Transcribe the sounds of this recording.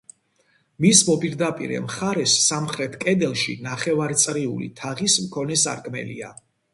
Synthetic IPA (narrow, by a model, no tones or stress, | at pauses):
mismɔpʼiɾd̪apʼḭɾɛ̰mχaɾɛsːamχɾɛt̪ʰkʼɛd̪ɛlˠʃinaχɛvaɾt̪sʼɾiṵlḭt̪ʰaʁismkʰɔnɛsa̰ɾkʼmɛ̰lḭa̰